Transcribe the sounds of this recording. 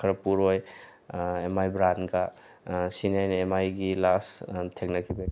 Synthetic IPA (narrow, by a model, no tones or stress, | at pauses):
kʰɐɾɐpuɾoj | emajbɾanɡa | sinajnemajɡilastʰek̚nakʰibe